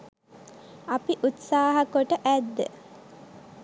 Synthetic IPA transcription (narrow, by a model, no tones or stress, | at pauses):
apiʔut̪saːɦakoʈəʔæd̪ːə̰